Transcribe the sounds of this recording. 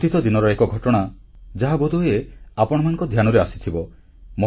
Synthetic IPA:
t̪it̪ɔd̪inɔɾɔekɔɡʱɔʈɔɽ̃a | d͡ʒaɦabod̪ʱueapɔɽ̃ɔmanɔ̃ŋkɔd̪ʱjañɔɾeasi̥t̪ʰibɔ | mɔ

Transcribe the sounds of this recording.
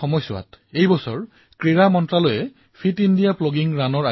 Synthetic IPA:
ɔmɔjsʊa̰tejbɔsɔɹ | kɹiɹamɔntɹalojɛ | pʰitindijaploɡiŋɹanɔɹa

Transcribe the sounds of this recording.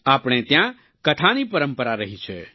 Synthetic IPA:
aːpɽet̪jã | kəʈʰanipəɾəmpəɾaɾəɦit͡ʃʰɛ̰

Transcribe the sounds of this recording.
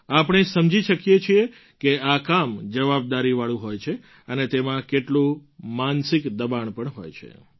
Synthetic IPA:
apɽ̃esəmd͡ʒiʃəkjet͡ʃʰie | keakamd͡ʒəʋab̚d̪aɾiʋaɭũɦojt͡ʃʰe | ənet̪emãkeʈlũmansɪkd̪əbaɳpəɳɦo̰jt͡ʃʰḛ

